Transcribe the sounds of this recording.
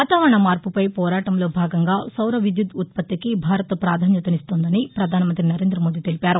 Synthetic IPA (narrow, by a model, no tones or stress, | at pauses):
aːt̪aːʋɐɾɐɳɐmaːɾpupɐjpɔːɾaːʈɐmlo̞ːbʱaːɡɐŋɡaːsɐwɾɐʋid̪jud̪ut̪̚pɐt̪ːikibʱaːɾɐt̪ɐpɾaːd̪ʱaːnjɐt̪ɐnist̪oːnd̪ɐnipɾɐd̪ʱaːnɐmɐnt̪ɾinɐɾe̞ːnd̪ɾɐmo̞ːd̪it̪e̞lipaːɾu